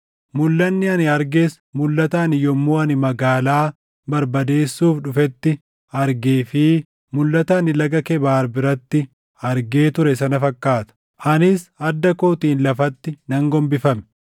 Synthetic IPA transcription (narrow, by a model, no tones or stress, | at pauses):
mʊlːɐnːɪɐnɪɐɾɡes | mʊlːɐt̪aːnɪjɔmːuːɐnɪmɐɡaːlaː | bɐɾbɐd̪e̞ːsːuːfᶑʊfɛt̪ːɪ | ɐɾɡeːfɪ | mʊlːɐt̪ɐːnɪlɐɡɐkɛbaːɾbɪɾɐt̪ːɪ | ɐɾɡe̞ːt̪ʊɾɛsɐnɐfɐkːaːt̪ɐ̥ | ʔɐnɪsɐd̪ːɐkoːt̪iːnlɐfɐt̪ːɪnɐŋɡɔmbɪfɐmɛ̥